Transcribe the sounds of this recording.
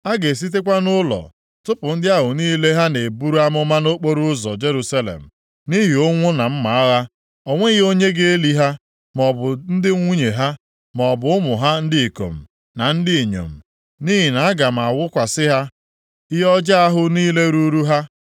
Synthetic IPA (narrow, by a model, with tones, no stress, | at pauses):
a˦ɡe˨s̬i˦t̬e˦kʷa˦nʊ˦lɔ̰˨ | tʊ˦pʊ˨n̩˦dɪ˦a˦ɦʊ˨niː˦le˦ɦa˦ne˨bu˦ɾu˦a˦mʊ˦ma˦no˦k͡po˦ɾu˦ʊ˦zɔ̰˨d͡ʒe˦ɾu˨sa˦lḛ˨m̩˨ | ni˦ɦi˨o˦ŋʷʊ˦na˨m̩˦ma˨a˦ɣa˦ | o˨ŋʷe˦ɣo˦ɲe˦ɡe˦e˦li˦ɦa˦ | m˨ɔ˨bʊ˨n̩˦dɪ˦ŋʷu˦ɲe˨ɦa˦ | mɔ˨bʊ˨˦ʊ˦mʊ˨ɦa˦n̩˦dɪ˦i˨ko̰˨m̩˨ | na˨n̩˦dɪ˦˨ɲo̰˨m̩˨ | ni˦ɦi˨na˨a˦ɡa˨m̩˨a˨wʊ˦kʷa˨sɪ˦ɦa˦ | jɔ˦d͡ʒa˦a˦ɦʊ˦niː˦le˦ɾu˦ɾu˦ɦa˦